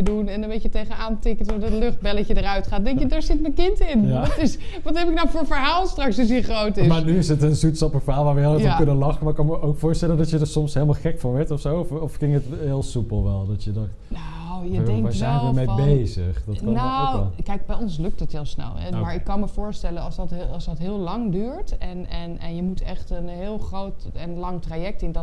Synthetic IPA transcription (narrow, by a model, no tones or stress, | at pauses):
ədunɛnəmbejcətejχənaːntɪkətɔfdɔtlʏχt̚bɛləcədərœɥtχaːt̚dɛŋkjədaːɹzɪtmɛkɪntɪnjtɪsʋɑtɦɛpɪk̚nɔwfoːɹəfəɹɦaːlˠstrɑksəsiχrowtɪmːnyɪsətənzutsɑpəfəɦaːlˠʋaːɹʋəlˠɔkønəlɑχəmaːɹɪkːɑnməowkfʊːɹstɛləndɔtjədəɹsɔmsɦeləmalˠχɛkfɑnʋɛɹtɔfsowɔfɔfkɪŋətɦɪːlˠsupəlˠʋɛlˠdɑtjədɔ | no | jədɛŋʋɛjzɛjnəɹmejbejzəχdɑtkɑnoɛlˠkɛjk̚bɛjɔnslɵk̚tətɦɪːlˠsnɛ̰lˠɛ̰maːɹɪkːɑnməvʊːɹstɛlənɑlˠsdɑtːˠsdɑtɦɪːlˠlɑŋdyːɹtɛnɛnɛnjəmutʰɛχtənɦɪːlˠχrowtənlɑŋtrajɛk̚tɪndɔ